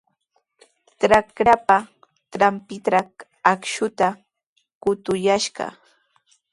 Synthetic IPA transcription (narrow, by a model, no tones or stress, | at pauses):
ʈ͡ʂɾakɾapa | t̪ɾampɪt̪ɾa | akʃʊt̪a | kʊt̪ʊjaʃɢɑ̰